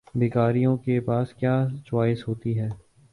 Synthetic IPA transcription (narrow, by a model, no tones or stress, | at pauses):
beːkaːɾijõkepaːskjaːt͡ʃwaːɪsɦoːt̪iɦɛː